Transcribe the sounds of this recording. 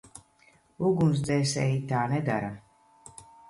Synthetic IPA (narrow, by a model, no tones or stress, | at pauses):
uɡums̬d̪zɛːsɛjit̪aːnɛd̪aɾa